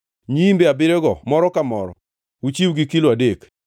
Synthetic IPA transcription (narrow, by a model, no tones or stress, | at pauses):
ɲimbeabɪɾeɡɔmɔɾɔkamɔɾɔ̰ | ut͡ʃiwɡikiloadek